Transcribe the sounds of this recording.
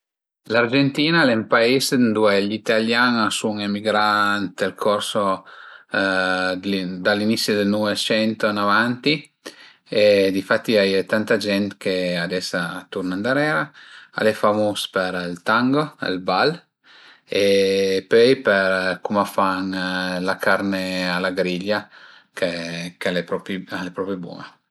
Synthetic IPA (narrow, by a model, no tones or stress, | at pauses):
lard͡ʒent̪iːnalɛmpaisnd̪uɛʎit̪aljanasuŋemiɡɾant̪eɾkʰɔɾso | d̪alinit̪sːjod̪elnɔvet͡ʃɛnt̪onavant̪i | ed̪ifat̪ːiajt̪ant̪ad͡ʒɛnt̪kead̪ɛsat̪uɾnand̪aɾɛːɾaa̰lɛfamospeɾilt̪aŋɡoḛlbal | epøjpɛɾkumafaŋlakʰaɾnealaɡɾiʎːa | kʰekalepɾɔpalepɾɔpɾebɔ̰e